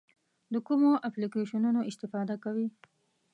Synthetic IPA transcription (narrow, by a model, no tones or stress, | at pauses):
d̪əkumoʔaplikeʃanunoɪst̪ɪfɑd̪akawi